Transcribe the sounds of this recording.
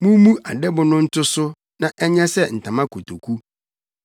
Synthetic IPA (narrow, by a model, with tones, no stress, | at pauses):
mũ˦mũ˦ʔa˨dɛ˦bʊ˨˦nʊ̃˦n̩˦tʰʊ˦sʊ˦ | nã˨ʔɛ˦ɲɛ̃˦sɛ˦n̩˨tʰã˨mã˦kʰo˨tʰo˨kʰu˦